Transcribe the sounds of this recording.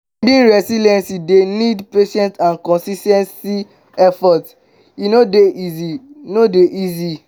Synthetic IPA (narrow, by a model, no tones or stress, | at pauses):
dĩnɹɛsilɛ̃nsidenidpeʃɛ̃ntãnkɔ̃nsistɛ̃nsi | ɛfɔt | inodeʔizinodeʔizi